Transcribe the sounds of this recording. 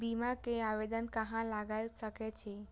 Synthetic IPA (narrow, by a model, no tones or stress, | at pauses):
bimakẽaʋed̪ənkəɦãlaɡajlsəket͡ʃʰe